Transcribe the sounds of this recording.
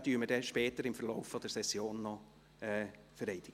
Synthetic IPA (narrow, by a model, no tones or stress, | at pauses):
d̥yːməd̥ɛʃpɛːtəɾɪmfəɾlɔʊfːɔd̥ɛɾsɛsjoːnːɔ | ɛː | fəɾɛɪd̥ɪɡ̥ə